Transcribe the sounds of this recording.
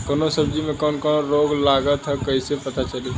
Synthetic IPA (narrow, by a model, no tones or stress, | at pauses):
kənosəbd͡ʒimẽkɔnkɔnoɾoːɡlaɡət̪ʰɦəkəisepət̪at͡ʃəle